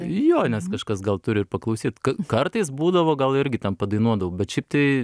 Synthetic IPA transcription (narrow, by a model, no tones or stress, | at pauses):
joːnʲɛskɐʃkɐsɡɐlˠt̪ʊɾʲɪrpɐklˠɐʊsʲiːt̪kɐkɐrt̪ɐɪsbuːd̪ɐʋoːɡɐlˠɪɾʲɡʲɪt̪ʲɛnpɐd̪ɐɪnuɔd̪ɐʋɐːbʲɛt̪ʃʲɛɪp̚t̪ɐɪ